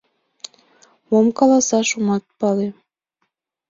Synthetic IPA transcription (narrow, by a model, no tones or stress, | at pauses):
momkɑlɑsɑʃumɑt̪̚pɑle